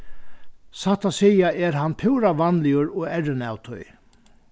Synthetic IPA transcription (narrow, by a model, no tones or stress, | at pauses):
saht̪asejaɛɾɦanpʰɪwɾaʋanlɪʊɾɔɛrɪna̰wt̪ʰʊ̰j